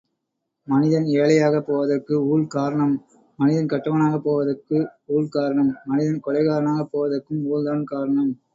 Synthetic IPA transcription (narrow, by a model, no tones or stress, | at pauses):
mɐnɪðɐneːlɐjaːɣɐpːoːʋɐðɐrkɯuːɭkaːɾɐɳɐmː | ɐnɪðɐnkɐʈːɐʋɐnaːɣɐpːoːʋɐðɐrkːɯuːɭkaːɾɐɳɐmːɐnɪðɐnkɔɭɐɪɣaːɾɐɳaːɣɐpːoːʋɐðɐrkːɯmuːld̪aːnkaːɾɐɳɐm